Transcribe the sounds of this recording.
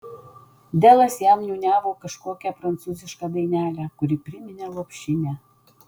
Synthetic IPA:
d̪ĕlæsjɑmnʲunʲɑβokə̆ʃkokʲæprant͡suzʲə̆ʃkɑd̪ejnʲælʲækuɾʲipɾimʲinʲælˠopɕinʲæ

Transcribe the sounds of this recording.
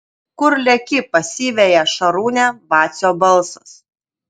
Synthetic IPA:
kʊɾlʲɛkʲɪpɐsʲiːʋʲɛjɛʃɐɾuːnʲɛbɑːt̪sʲoːbɐlˠsʊs

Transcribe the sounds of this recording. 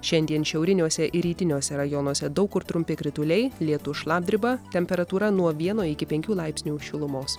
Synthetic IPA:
ʃʲɛnʲd̪ʲiɛnʃʲɛʊɾʲɪnʲuɔsʲɛʔɪɾʲiːt̪ʲɪnʲuːsʲɛɾɐjɔnuɔsʲɛd̪ɒʊkʊɾt̪ɾʊmʲpʲɪkɾʲɪt̪ʊlʲɛɪlʲiɛt̪ʊʃlˠɑːb̚ʲd̪ʲɾʲɪbɐt̪ʲɛmʲpʲɛɾɐt̪uːɾɐnuɔʋʲiɛnoːɪkʲɪpʲɛŋʲkʲuːlˠɐɪpʲsʲnʲuːʃʲɪlˠʊmoːs

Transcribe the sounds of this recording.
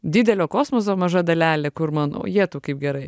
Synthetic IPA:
d̪ʲɪd̪ʲɛlʲoːkoːsmoːs̬oːmɐʒɐd̪ɐlʲæːlʲekʊɾmɐno̰ːjiɛt̪uːkɐɪp̚ɡʲɛɾɐɪ

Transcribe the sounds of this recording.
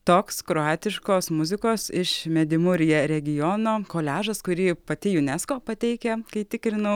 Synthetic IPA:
t̪oːkskɾoːɑːt̪ʲɪʃkoːsmʊzʲɪkoːsɪʃmʲɛd̪ʲɪmʊɾʲɪjɛɾʲɛɡʲɪjoːnoːkoːlʲæːʒɐskʊɾʲiːpɐt̪ʲɪjʊnʲɛskoːpɐt̪ʲɛɪkʲɛkɐɪt̪ʲɪkɾʲɪnɐʊ

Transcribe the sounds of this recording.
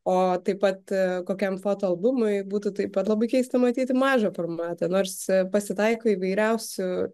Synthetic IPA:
oːt̪ɐɪpɐt̪koːkʲɛmfoːt̪oːɐlˠbʊmʊɪbuːt̪ʊt̪ɐɪppɐt̪lˠɐbɐɪkʲɛɪst̪ɐmɐt̪ʲiːt̪ʲɪmɑːʒofoːrmɑːt̪ɐnoːɾspɐsʲɪt̪ɐɪkoːiʋɐɪɾʲɛʊsʲʊ

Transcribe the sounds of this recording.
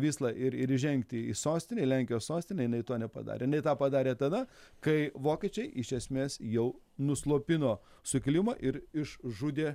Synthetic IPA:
ʋʲiːslˠɑʔɪɾɪɾɪʒʲɛŋkt̪ʲɪisoːsʲt̪ʲɪnʲɛɪlʲæŋʲkʲɪjoːssoːsʲt̪ʲɪnʲɛjɪnɐɪt̪oːnʲɛpɐ̰d̪ɑ̰ːɾʲeːjɪnɐɪt̪ɑːpɐd̪ɑːɾʲeːt̪ɐd̪ɐkɐɪʋoːkʲeːt͡ʃʲɛɪʔɪʃʲɛsʲmʲeːsjɛʊ | nʊslˠoːpʲɪnoː | sʊkʲɪlʲɪmoːʔɪɾɪʃʒud̪ʲeː

